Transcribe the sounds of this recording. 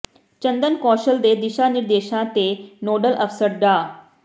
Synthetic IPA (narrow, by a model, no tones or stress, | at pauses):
t͡ʃə̃nd̪ənkɔːʃəld̪eːd̪ɪʃaniɾd̪eːʃãt̪enoːɖəlʔəfsəɾɖaː